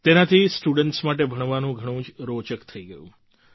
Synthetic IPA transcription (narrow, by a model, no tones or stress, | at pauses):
t̪enat̪ʰisʈuɽəɳʈsmaʈ̬ebʱəɳ̃ʋanũɡʱəɽ̃ũd͡ʒɾot͡ʃəkt̪ʰəiɡəjũ